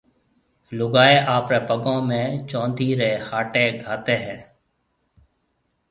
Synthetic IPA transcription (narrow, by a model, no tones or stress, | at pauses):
lʊɡaːeːʔaːpɾeːpəɡõːmẽːt͡ʃõːnd̪ʱiːɾeːhaːʈeːɡʱaːt̪eːɦɛː